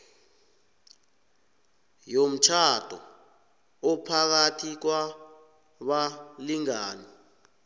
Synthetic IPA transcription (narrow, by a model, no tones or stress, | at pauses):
jom̩t͡ʃʰad̥ʱɔ̰ | ɔpʰak̬atʰik̬wa | ɓaliŋaːni